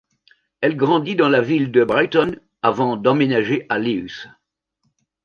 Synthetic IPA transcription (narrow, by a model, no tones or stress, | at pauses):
ɛlɡʁɑ̃d̪id̪ɑ̃lavild̪əbʁajt̪ɔn | avɑ̃d̪ɑ̃menaʒeʔaleys